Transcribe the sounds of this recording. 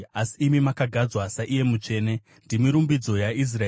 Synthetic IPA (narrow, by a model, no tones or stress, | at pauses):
asiːmimakaɡʱad͡zwasaʔije̞mut͡ʂe̞ːne̞ | ndimiɾumbid͡zo̞jais̬ra